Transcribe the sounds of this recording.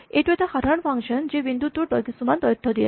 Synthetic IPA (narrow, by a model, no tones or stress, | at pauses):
eʈuet̪axad̪ʱaɾɔnpʰaŋʃɔnd͡ʑebind̪ut̪ːuɾt̪ɔjkisumant̪ɔjɔt̪ʰːɔd̪iḛ